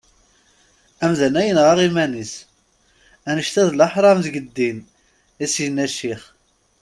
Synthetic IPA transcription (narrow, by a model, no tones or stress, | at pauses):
æmðænæjənʁɑʁimænis | ænəʃt̪æðlɑħɾˤɑmðɡəd̪ːin | isjnæʃiχ